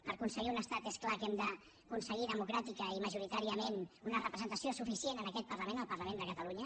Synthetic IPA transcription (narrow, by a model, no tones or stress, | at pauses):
pəɾkunsəɣiunəst̪at̪esklakɛmd̪ə | kunsəɣ̞iðəmukɾat̪ikəiməʒuɾit̪aɾiəmenunərəpɾəzənt̪əsiosufisienənəkɛt̪̚pərləmenəlˠpəɾləmẽnd̪əkət̪əluɲə